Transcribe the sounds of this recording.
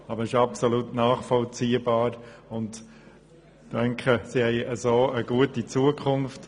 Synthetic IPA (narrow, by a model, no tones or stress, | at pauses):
ɑbəɾɪʃɑpsolutnaːχfɔlt͡siːəbɑːɾʊnt | d̥ɛŋkʰəsihɛɪəzoːəɡuətit͡suəkʰʊnft